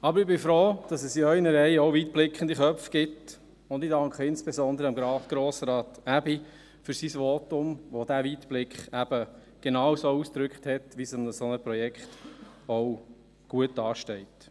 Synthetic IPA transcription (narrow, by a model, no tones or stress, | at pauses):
ɑbəɾɪbɪfɾoːd̥ɑsɛsœɪnəɾɛɪɔwviːtb̥lɪkχənd̪iχœfɡ̥ɪt | ʊnd̪ɪdɑŋkχəɪnsb̥ezɔnd̪əɾəɑmɡɾɑːɡ̥ɾoːsɾɑːtæbi | fʏɾsisʋoːtʊmʋod̥æviːtb̥lɪkχæb̥ə | ɡ̥enɑːwsousd̪̥ɾʏkχthɛtʋisɑməsɔnəpɾɔjɛkχtɔw | ɡ̥uətdɑːʃtɛɪt